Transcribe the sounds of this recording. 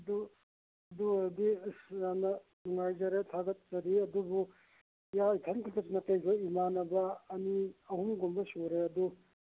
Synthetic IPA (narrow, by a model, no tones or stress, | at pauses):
ɐdu | ɐduɐdisɾanɐ | nuŋajzɐɾetʰaɡɐt̚zɐɾiɐdubu | jaitʰankʰiltɐsnɐkɐjbɐimanɐbɐːniɐhumɡombɐsoɾeɐdu